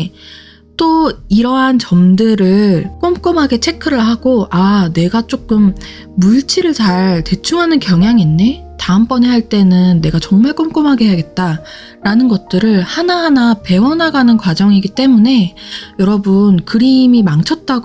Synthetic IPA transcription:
t͈oiɾʌɦant͡ɕʌmdɯɾɯɭk͈omk͈omɦaɡe̞t͡ɕʰe̞kʰɯɾɯɭɦaɡ̥oʔane̞ɡat͡ɕ͈ok͈ɯmː | uɭt͡ɕʰiɾɯɭt͡ɕaɭte̞t͡ɕʰuŋɦanɯnkjʌŋɦjaŋenːe̞ | taɯmp͈ʌniɦaɭt͈e̞nɯnːe̞ɡat͡ɕʌŋmaɭk͈omk͈omɦaɡeɦejaɡe̞t̚t͈a | ɾanɯnɡʌt̚t͈ɯɾɯɭhanaɦanape̞wʌnɦaɡanɯnkwad͡ʑʌŋiɡit͈e̞mune̞jʌɾʌbɯnkɯɾimimaŋt͡ɕʰʌt̚t͈aɡ

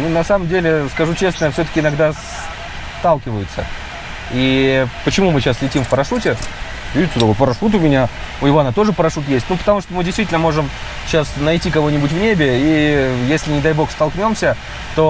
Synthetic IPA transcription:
nunɐsaməmdʲelʲɪskɐʐut͡ɕe̞snəfsʲɵt̪ə̥kʲɪnɐɡd̪as | t̪alˠkʲɪvəjʊt̪sə̰ | ipət͡ɕɪmumɨɕaslʲɪtʲimfpəɾɐʂutʲɪ | vʲiɪt̪ːʊd̪aot̪pəɾɐʂut̪ʊmʲɪnʲa | ʊɪvoɐnat̪o̞ʐɨpəɾɐʂut̪jesʲt̚ʲnupə̥t̪ɐmuʂt̪omɨdʲɪst̪vʲitʲɪlʲnəmo̞ʐɨm | ɕasnɐjtʲikɐvo̞nʲɪbʊtʲvnʲebʲɪijesʲlʲɪnʲɪd̪ajbo̞xst̪ɐlˠknʲo̞msʲə | t̪o

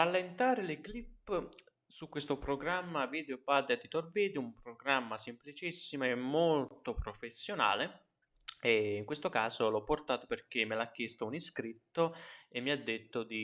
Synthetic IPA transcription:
alːent̪aːɾelɪklipː | sukwest̪opɾoɡɾamːaviːd̪opad̪eat̪ːit̪orviːd̪iumpɾoɡɾamːasemplit͡ʃisːimoemːolt̪opɾofesːjona̰ːle | eiŋkwest̪okaːzolɔpːort̪aːt̪operk̟emːelak̟ːest̪ouniskɾit̪ːoemːiad̪ːet̪ːod̪i

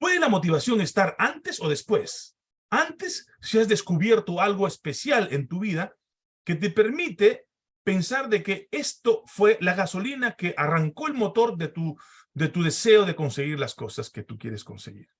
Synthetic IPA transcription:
pweðelamo̞t̪̬iβasjo̞ŋest̪aɾant̪eso̞ðe̞spwe̞s | ant̪e̞sː | iazðe̞skuβjeɾt̪oalɣoespe̞sjalent̪uβiða | ke̞t̪̬epe̞ɾmit̪e | pe̞nsaɾðe̞kee̞st̪o̞fwe̞laɣaso̞linakeʔaraŋko̞elmo̞t̪o̞ɾðet̪u | d̪e̞t̪uð̞e̞se̞oðe̞ko̞nse̞ɣiɾlasko̞sasket̪ukjeɾesko̞nseɣḭɾ

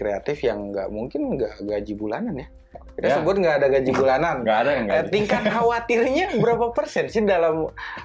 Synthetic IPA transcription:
kɾeat̪ɪfjaŋɡa̰ʔmuŋkɪnɡaʔɡad͡ʒibula̰nanja | kit̪asəbuat̪̚ŋɡaʔːdaɡad͡ʒibulananɡadaŋt̪iŋkat̪ɦawat̪ɪlɲabəɾapapərsɛnsɪdalam

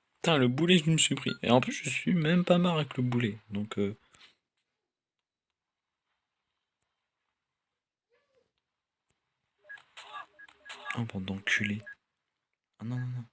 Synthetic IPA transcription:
t̪ɛ̃ləbulɛd̪ynsypχḭzḛɑ̃pysʒəsɥimɛmpamaʁavɛkləbulɛd̪ɔ̃kø | ãpɑ̃d̪ɑ̃kʲʰyle | anɔ̃nɔ̃nɔ̃

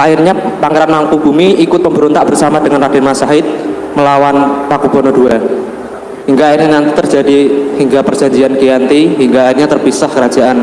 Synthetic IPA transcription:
ʔaɪrɲapaŋeɾanmaŋkub̥umiikʊt̪̚pəmbəɾɔnt̪aʔb̥ərsamad̥əŋanrad̥ɛnmasaɦɪt̪̚ | məlawanpakub̥ɔnɔd̥ua | hiŋɡaːɪrɲanant̪it̪ər̥d͡ʒadihiŋɡapər̥d͡ʒ̥aɲd͡ʒiankejant̪iɦiŋɡaːɪrɲat̪ərpisahkəɾad͡ʒ̥aʔan

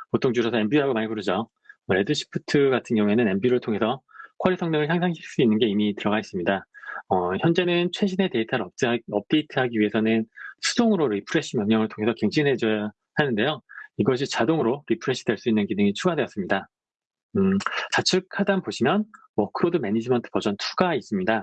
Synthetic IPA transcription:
potʰoŋd͡ʑuɾosʰʌembiɦaɡomaɲibuɾɯd͡ʑʌ | ʌɾe̞dɯɕʰi̥pʰɯtʰɯɡatʰɯnɡjʌŋue̞nɯne̞mbiɾɯɭtʰoŋe̞sʰʌkʰaɾisʰʌŋɲʌŋɯɭçjaŋsʰaŋʰiɭs͈uinːɯnɡe̞imitɯɾʌɡais͈ɯmɲidaʌçjʌnd͡ʑe̞nɯnt͡ɕʰwe̞ɕ̬ʰine̞te̞itʰaɾʌʌp̚t͈e̞itʰɯɦaɡiɥiɦe̞sʰʌnɯnsʰu̥doŋɯɾoɾipʰɯɾe̞ɕ͈ʰimjʌŋɲʌŋɯɭtʰoŋe̞sʰʌkeŋd͡ʑʰinɦe̞d͡ʑʌ | hanɯnde̞joiɡʌɕ̬ʰit͡ɕadoŋɯɾoɾipʰɯɾe̞ɕ͈ʰidweɭs͈uinːɯnɡinɯŋit͡ɕʰuɡadwe̞ʌs͈ɯmɲida | ɯt͡ɕat͡ɕʰɯk̚kʰadanboɕʰimjʌn | wʌkʰɯɾodɯmenid͡ʑimʌntʰɯ̥pʌd͡ʑʌntʰuɡais͈ɯmɲida

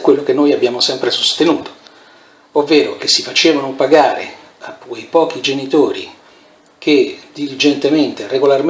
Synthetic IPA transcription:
kːwelːok̟enːoːjabːjaːmosɛmpɾesost̪enuːt̪o̥ | ovːeːɾok̟esːifat͡ʃeːvanopaɡaːɾḛ | akwejpɔːk̟id͡ʒenit̪oːɾḭ | k̟ʰed̪ilid͡ʒent̪ement̪ereɡolarm

